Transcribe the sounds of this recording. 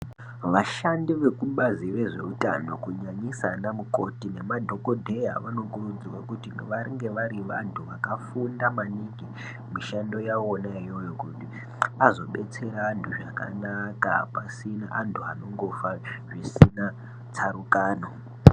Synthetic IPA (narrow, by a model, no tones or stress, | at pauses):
ʋaʃandiʋe̞kuɓazireʐe̞̰uta̰no̰kuɲaɲisanamuko̞tine̞madʱo̞kodʱe̞ja̰ʋano̞kurud͡ziwakutinʋaɾiŋɡe̞ʋaɾiʋantʰuʋakafundamaniɡi | miʃando̞jaonaijo̞jo̞kuti | azo̞ɓe̞t͡se̞ɾaːntʰuʐaka̰naka̰pasinaʔantʰuano̞ŋɡo̞faʐisina | t͡saɾukaːno